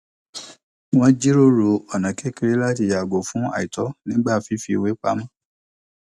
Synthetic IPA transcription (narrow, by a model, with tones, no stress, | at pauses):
w̃ɔ̃˦d͡ʒi˦ɾo˦ɾo˨˧ɔ˨nã˨kʰe˨˦ke˧ɾe˦la˦ti˧˨ja˨ɡo˨fũ˨˦a̰˨i˨tɔ˨˦nĩ˦ɡ͡ba˦˨fi˦fi˧˨we˨˦k͡pa̰˨˦mã˦